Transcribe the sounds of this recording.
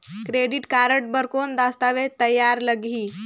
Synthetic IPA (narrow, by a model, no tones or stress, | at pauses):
kɾeɖiʈkaɾəʈ̚bəɾkond̪ast̪aʋet̪əjːaɾləɡʱiː